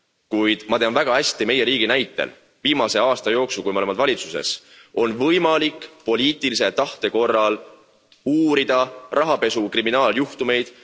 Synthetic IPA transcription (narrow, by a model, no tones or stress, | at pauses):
kujd̪̥mɑt̪e̞ɑːnvæɡ̥ɑhæsʲt̪ime̞je̞ɾiːɡ̥inæjt̪ːˑḛl | viːmɑse̞ɑːst̪ɑjo̞ːksulkuijmeolemɑd̪vɑlʲit̪suse̞̰s | o̞nvɤjmɑlikːpo̞lʲiːt̪ˑiliset̪ɑht̪e̞ko̞rːɑl | uːɾid̪̥ɑrʔɑɦɑpe̞sukriminɑːljuht̪ume̞jd̪̥